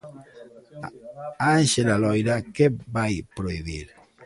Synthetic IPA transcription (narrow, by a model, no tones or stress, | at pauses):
anʃelalɔjɾakebajpɾoiβḭɾ